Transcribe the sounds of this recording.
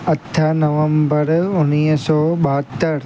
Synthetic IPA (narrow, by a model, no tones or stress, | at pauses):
ɐt̪ʰːanɐʋəmbəɾʊnisɔːɓɐɦət̪ːəɾ